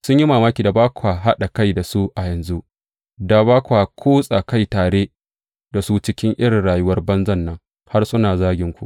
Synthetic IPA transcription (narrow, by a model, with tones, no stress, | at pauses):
sʊ˦ɲji˦maː˨maː˦kʲiː˨da˨baː˦kʷa˨ɦa˦ɗa˨ka˦jda˨su˦ʔa˨jɐ˨nzu˦ʔ | da˨baː˦kʷa˨kʷʰoː˦sʼa˨ka˦jtaː˨ɽeː˦ | da˨su˦t͡ʃɪ˦kʲɪ˦ŋʔɪ˦ɽɪ˨nɽaː˨jʊ˦wɐ˦rbɐ˦nzɐ˦˨nːɐ˦ŋ | ha˦rsʊ˦naː˨zaː˦ɡʲɪ˦ŋkʷu˨ʔ